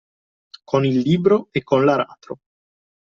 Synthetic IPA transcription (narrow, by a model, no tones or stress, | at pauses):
konilːiːbɾoekːonlaɾa̰ːt̪ɾo